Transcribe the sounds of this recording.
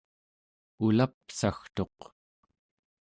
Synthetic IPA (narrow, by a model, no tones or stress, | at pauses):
ulapsaxt̪o̞q